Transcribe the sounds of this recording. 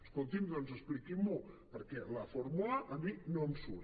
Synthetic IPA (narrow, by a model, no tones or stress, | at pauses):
əskolˠt̪imd̪ɔnzəsplikimːu | pəɾkɛlafoɾmulaʔad̪iknomsuɾ